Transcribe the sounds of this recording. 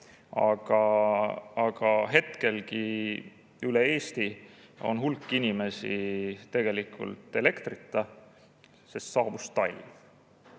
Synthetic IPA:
ɑ̰ɡ̥ɑ | ɑɡ̥ɑɦe̞t̪ke̞lki | ylee̞ːst̪io̞̰nɦulkˑːinʲime̞sḭt̪e̞ɡ̥e̞likʰˑṵlt̪ˑːe̞le̞kt̪rit̪ːˑɑ | sest̪sɑːb̥ust̪ɑlʲv

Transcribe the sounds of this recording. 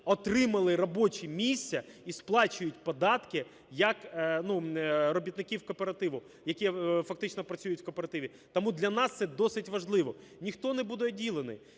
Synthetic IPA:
ɔt̪ɾɪmɐlˠɪɾɔbɔt͡ʃimʲisʲɐ | isplˠɑt͡ʃʊjʊtʲpɔd̪ɑt̪kɪ | jɐknuɾɔbʲit̪nɪkʲiwkɔpeɾɐt̪ɪʋʊ | jɐkʲifɐk̚t̪ɪt͡ʃnɔpɾɐt͡sʲujʊtʲw̥kɔpeɾɐt̪ɪʋʲi | t̪ɔmud̪lʲɐnɑst̪sɛd̪ɔsɪtʲʋɐʒlˠɪʋɔ | nʲixt̪ɔnɛbud̪ɛɔdʲilˠenɪ̰

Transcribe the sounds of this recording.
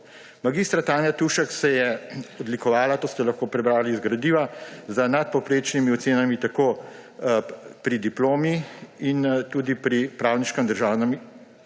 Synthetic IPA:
maɡist̪ɾat̪aːnjat̪uʃɛksɛjɛɔd̪likɔʋaːlat̪oːst̪ɛlɐxkoːpɾɛbɾaːliːzɡɾad̪iːʋazənat̪̚pɔwpɾeːt͡ʃnimiɔt̪seːnamit̪akoː | pɾid̪iploːmiint̪uːd̪ipɾipɾawniʃkɛmd̪əɾʒaːwnami

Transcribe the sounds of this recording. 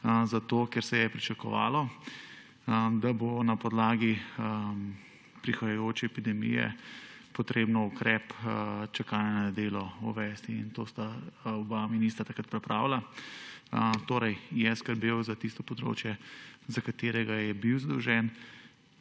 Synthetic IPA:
zat̪okɛɾsɛjɛpɾit͡ʃakɔʋa̰ːlɔ | d̪abonapɔd̪laːɡi | pɾixajajoːt͡ʃɛɛpid̪ɛmḭjɛ̰pɔt̪ɾeːbnɔukɾɛpt͡ʃakaːjanad̪eːlɔuʋɛst̪iint̪ost̪aɔbaminiːst̪ɾat̪akɾat̪̚pɾɛpɾaːwla | t̪oːɾɛjjɛskəɾbewzat̪ist̪ɔpɔd̪ɾo̰ːt͡ʃjɛzakat̪eːɾɛɡajɛbiwzad̪ɔwʒɛn

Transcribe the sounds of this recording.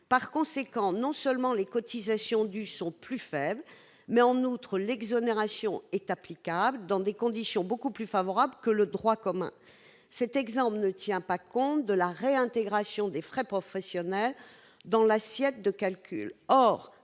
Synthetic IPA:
paʁkɔ̃sekɑ̃nɔ̃sœlmɑ̃lekɔt̪izasjɔ̃d̪ysɔ̃plyfɛbl | mɛɑ̃nut̪χəlɛɡzɔneʁasjɔ̃ɛt̪aplikabld̪ɑ̃d̪ekɔ̃d̪isjɔ̃bokuplyfavɔʁablkələd̪ʁwakɔmɛ̰̃ | sɛt̪ɛɡzɑ̃plnət̪jɛ̃pakɔ̃t̪d̪əlaʁeɛ̃t̪eɡʁasjɔ̃d̪efχɛpχɔfɛsjɔnɛl | d̪ɑ̃lasjɛt̪̚d̪əkalkʲy̰lɔʁ

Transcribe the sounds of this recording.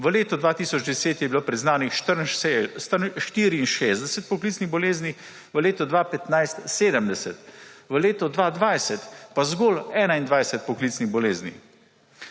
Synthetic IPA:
ʋəleːt̪ɔd̪ʋaːt̪iːsɔd͡ʒd̪ɛseːt̪jɛbiloːpɾɛznaːnixʃt̪əɾst̪əʃt̪iɾiːnʃeːzd̪ɛsɛt̪̚pɔklit̪sniɣbɔleːznix | ʋəleːt̪ɔd̪ʋaːpɛt̪najst̪seːd̪əmd̪ɛsɛt̪ʋəleːt̪ɔd̪ʋaːd̪ʋajsɛt̪pazɡɔːlɛːnaind̪ʋajsɛt̪̚pɔkliːt̪sniɣbɔleːznix

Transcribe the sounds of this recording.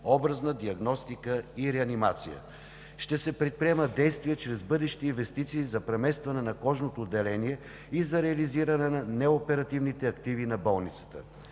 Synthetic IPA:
ɔbɾɐznəd̪iɐɡnɔst̪ikəiɾɛɐnimat̪sijə̰ | ʃt̪ɛsɛpɾɛt̪̚pɾiɛməd̪ɛjst̪viɛt͡ʃɾɛzbɤd̪ɛʃi̥t̪iinvɛst̪it̪siːzɐpɾɛmɛst̪vɐnɛnɐkɔʒnot̪oːd̪ːɛlɛniɛ | izɐɾɛɐliziɾɐnɛnɐnɛopɛɾɐt̪ivnit̪ɛɐkt̪ivinɐbɔlˠnit̪sə̥t̪ə̰

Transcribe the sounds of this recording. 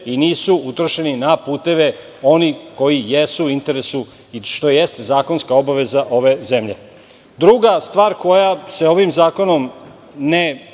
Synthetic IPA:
iniːsuut̪ɾoʃe̞ninapuːt̪e̞ʋe | o̞niko̞jijesuint̪e̞ɾe̞su | iʃt̪o̞jest̪ezaːko̞nskao̞baʋe̞zaʔo̞ʋe̞zemʎḛ | d̪ɾuɡast̪ʋaːɾko̞jase̞o̞ʋimzaːko̞no̞m | ne

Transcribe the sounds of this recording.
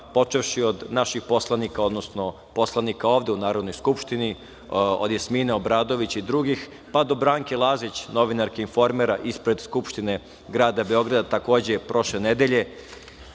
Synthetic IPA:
po̞t͡ʃeʋʃio̞d̪naʃixpo̞slˠanikao̞d̪no̞sno̞ | po̞slˠanikao̞ːʋd̪eunaːɾo̞d̪no̞jskupʃt̪ini | od̪jesmineo̞bɾaːd̪o̞ʋit͡ɕid̪ɾuɡix | pad̪o̞bɾaːŋkelˠaːzit͡ɕno̞ʋinaɾkeinfo̞ɾmiɾaʔispɾe̞d̪skupʃt̪ine̞ | ɡɾaːd̪abe̞o̞ɡɾad̪at̪ako̞ːd͡ʑepɾo̞ʃlened̪eʎe̞

